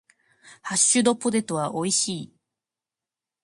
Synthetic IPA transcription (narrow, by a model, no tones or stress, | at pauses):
haɕːɨd̪o̞po̞d̪e̞t̪o̞βaʔo̞iɕiː